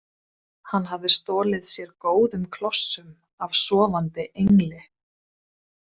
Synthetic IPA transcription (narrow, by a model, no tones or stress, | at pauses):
hanːɦavðɪst̪ɔːlɪðsjɛɾkoːwðʏmkʰlɔsːʏm | avsɔːvant̪ɪʔejŋlɪ